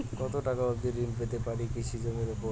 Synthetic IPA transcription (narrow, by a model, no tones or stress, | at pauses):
kɔt̪oʈakaab̚d̪iɾinp̬et̪epaɾikit͡ɕʰid͡ʑomeɾepo